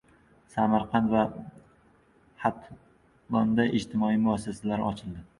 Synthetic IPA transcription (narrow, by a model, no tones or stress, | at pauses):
samaɾqʰɑnt̪va | hat̪ʰ | bɒnd̪aʔɪd͡ʒt̪ʰɪmɒimʊasːasalaɾɒt͡ʃʰɪld̪ɪ